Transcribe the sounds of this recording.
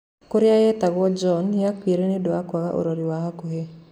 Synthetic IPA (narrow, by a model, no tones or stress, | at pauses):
koɾɪajɛt̪aɡɔd͡ʒɔnjakweɾenedwakwaɡaʔo̰ɾoɾiwahakoɦe